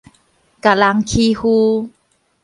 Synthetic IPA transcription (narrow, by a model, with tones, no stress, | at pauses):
ka˨la˧ŋkʰi˧hu˧